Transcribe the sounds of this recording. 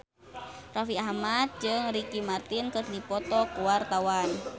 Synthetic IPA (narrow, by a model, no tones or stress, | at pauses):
rafiahmat̪̚d͡ʒɨŋɾikimart̪inkɨrdipɔt̪ɔkuwart̪awan